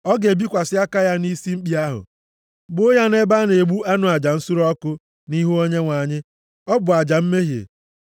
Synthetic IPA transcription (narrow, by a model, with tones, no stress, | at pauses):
ɔ˦ɡe˨bi˦kʷa˨sɪ˦a˦ka˦ja˦ni˦si˦m̩˦k͡pi˦a˦ɦʊ̰˨ | ɡ͡bo˦ja˦ne˦ba˦ne˨ɡ͡bu˦a˦nʊ˨a˨d͡ʒa˨n̩˦sʊ˦ɾɔ˦kʊ˦ | ni˦ɦu˦o˦ɲe˦ŋʷa˨ɲɪ˦ | ɔ˦bʊ˨a˨d͡ʒa˨m̩˦me˦ɦjḛ˨